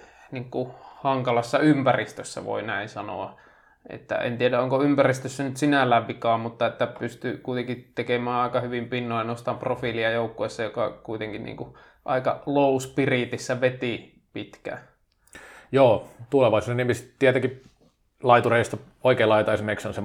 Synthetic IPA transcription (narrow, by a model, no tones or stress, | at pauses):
niŋkuhɑŋkɑlɑsːɑympærist̪øsːæ̰ʋo̰inæinsɑno̰ɑ | ḛt̪ːæ̰ḛnt̪iedæoŋkoympærist̪øsːænyt̪sinælːæʋʋikɑːmmut̪ːɑet̪ːæpyst̪ykuit̪eŋkit̪ekemæːɑˑikɑhyʋimpinːoːɑnost̪ɑmprofiliɑjoˑukːoesːɑjokɑkuit̪eŋkinnḭːŋku | ʔɑikɑloˑuspirit̪isːæʋet̪i | pit̪kæ̰ | joːt̪uleʋɑˑisuːneniemistt̪iæt̪æki | lɑit̪ureˑjost̪ɑ | oikeːlɑˑit̪ɑesimeiksonse